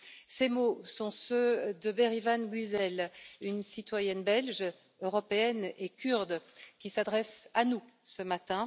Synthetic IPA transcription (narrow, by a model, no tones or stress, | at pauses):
semosɔ̃sød̪əbeʁivanɡyzɛlynsit̪wajɛnbɛlʒ | øʁɔpeɛnekʲyʁd̪kʲisad̪ʁɛsanu | səmat̪ɛ̃